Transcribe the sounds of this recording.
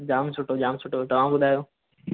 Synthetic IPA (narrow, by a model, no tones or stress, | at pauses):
d͡ʑaːmsʊʈod͡ʑaːmsʊʈot̪ɐʋãmɓʊd̪ʱaːjoː